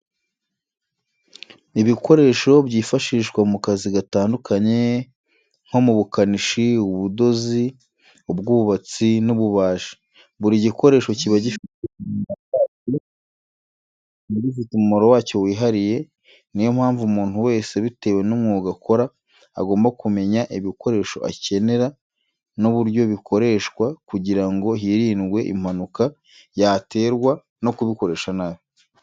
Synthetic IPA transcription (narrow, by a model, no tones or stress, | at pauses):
iβiko̞ɾe̞ːʃo̞bɟiːfaʃiʃɡwamukaziɡataːndukʰaɲe̞ | ŋ̥ho̞muβukaniʃiuβudo̞zi | ubɡuːβuβat͡sinuβuβaːʃi̥ | βuɾiɟiko̞ɾe̞ːʃo̞ciβaɟifiteakaːti | niβifitumumoɾowaːco̞wiːɦaɾije̞ | nijo̞m̥haːɱvumuːnhuwe̞ːse̞βite̞ːwe̞nomŋuːɡakʰo̞ɾa̰ː | ɡo̞ːmbakume̞ɲaʔiβiko̞ɾe̞ːʃo̞̰ʔa̰ce̞ne̞ɾa | noβuɾɟo̞βikʰo̞ɾe̞ːʃkwakuɟiɾaŋɡo̞ɦiɾinɡwe̞ʔḭm̥hanuka | jate̞ːɾɡwa | no̞kuβiko̞ɾe̞ːʃanajo